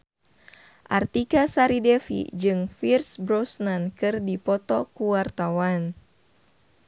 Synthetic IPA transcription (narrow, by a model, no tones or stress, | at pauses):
ʔart̪ikasaɾidɛfḭd͡ʒɨŋfirsbɾɔsnankɨrdipɔt̪ɔkuwart̪awan